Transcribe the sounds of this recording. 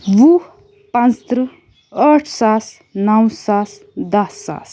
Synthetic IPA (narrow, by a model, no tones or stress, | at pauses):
ʋu | pãnt͡st̪ɾɨ | əʈʰsas | nawsas | d̪ɐsːa̰s